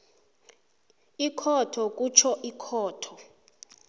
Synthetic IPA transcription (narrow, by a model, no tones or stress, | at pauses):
ikʰɔtʰɔk̬ʼut͡ʃʰɔʔikʰɔːtʰɔ